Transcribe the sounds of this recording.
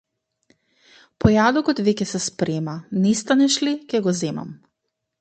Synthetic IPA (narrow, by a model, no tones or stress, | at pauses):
pɔjad̪ɔkɔt̪vɛkɛsɛspɾɛmanɛst̪anɛʃlikʲɛɡɔzɛma̰m